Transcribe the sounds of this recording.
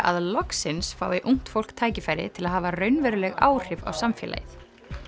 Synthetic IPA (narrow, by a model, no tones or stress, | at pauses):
ʔa̰ðlɔksɪnsfa̰ːwɪʔuŋ̥t̪fowl̥kt̪ʰaːjcɪfaːjɾɪ̰t̪ʰɪlaðhaːvarœɥnvɛɾʏlɛɣa̰ːwr̥ɪva̰wsamfjɛ̰ːla̰jɪθ